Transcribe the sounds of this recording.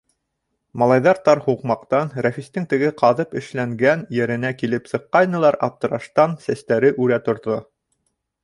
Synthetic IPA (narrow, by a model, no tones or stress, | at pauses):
mɑlˠɑjðɑɾt̪ɑɾhuqmɑqt̪ɑnɾæfist̪ɘŋt̪ɘ̆ɡɘqɑðɤpɘ̆ʃlæŋɡænjɘ̆ɾɘ̆nækilɘpsɤ̆qːɑjnɤ̆lˠɑɾʔɑp̚t̪ɤ̆ɾɑʃt̪ɑnsæst̪æɾɘʔʉɾæt̪ŏɾðo